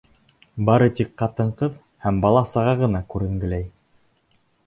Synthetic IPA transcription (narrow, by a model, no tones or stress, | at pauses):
bɑɾɤt̪ikqɑt̪ɤ̆ɴqɤð | hæmbɑlˠɑsɤ̆ʁɑʁɤ̆nɑkʉɾɘ̆ŋɡɘ̆læj